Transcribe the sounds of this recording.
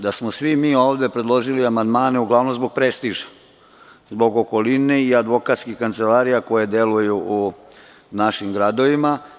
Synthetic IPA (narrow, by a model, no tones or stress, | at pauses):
d̪asmosʋimiːo̞ːʋd̪e̞pɾe̞d̪lˠo̞ʒiliamand̪maːne̞uɡlˠaʋnomzbo̞ɡ̚pɾest̪iʒḁ | zbo̞ɡoko̞lineiad̪ʋo̞kaːt̪skixkant̪selaːɾijako̞jed̪e̞lujuʔu | naʃimɡɾad̪o̞ʋima